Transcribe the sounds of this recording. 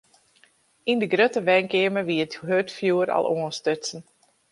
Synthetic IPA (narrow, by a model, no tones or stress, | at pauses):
indəɡrøtəʋɛŋkɪəməʋiəthøtfjuəɾa̰lˠoənstøtsən̩